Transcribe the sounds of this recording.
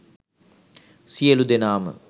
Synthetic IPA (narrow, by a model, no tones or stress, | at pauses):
sijəlud̪enaːmə̰